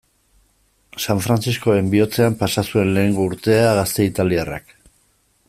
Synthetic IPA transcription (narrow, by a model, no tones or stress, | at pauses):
saɱfɾant͡sisko̞e̞mbio̞t͡se̞ampasasue̞nle̞ːŋɡouɾt̪e̞aɣast̪e̞it̪aliara̰k